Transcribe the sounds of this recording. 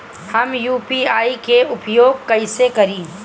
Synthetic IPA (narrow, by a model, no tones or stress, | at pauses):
hɐmjuːpiaːikeʊpjoːɡ̚kɐɪsekɐɾĩː